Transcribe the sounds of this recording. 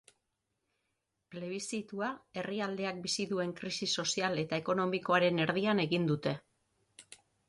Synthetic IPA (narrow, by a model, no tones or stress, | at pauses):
pele̞β̞isit̪uae̞riald̪e̞ak̚bisiðue̞ŋkɾisiso̞siale̞t̪aeko̞no̞miko̞aɾe̞ne̞ɾðiane̞ɣind̪ut̪e̞